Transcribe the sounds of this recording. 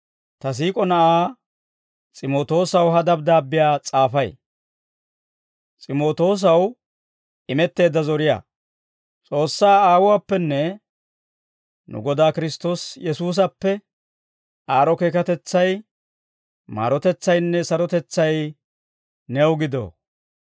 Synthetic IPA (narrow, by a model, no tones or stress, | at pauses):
t̪ɐs̬iːkʼɔnɐʔaː | t͡sʼɪmo̞ːt̪o̞ːsɐwɦɐd̪ɐb̚d̪aːbːɪjaːt͡sʼaːfɐj | t͡sʼɪmo̞ːt̪o̞ːs̬ɐw | ʔɪmɛt̪ːe̞ːd̪ːɐzɔɾɪja̰ː | t͡sʼo̞ːsːaːaːwʊwaːpːɛnːɛ | nʊ̰ɡɔd̪aːkɪɾɪst̪o̞ːsjɛsuːs̬ɐpːɛ | ʔaːɾɔke̞ːkɐt̪ɛt͡sːɐj | ma̰ːɾɔt̪ɛt͡sːɐjnːɛsɐɾɔt̪ɛt͡sːɐj | nɛwɡɪd̪o̰ː